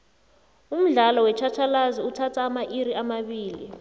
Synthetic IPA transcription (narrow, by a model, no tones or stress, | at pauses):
um̩ɮalɔwɛt͡ʃʰat͡ʃʰalaziutʰatʰaːmaʔiɾiamaɓiːli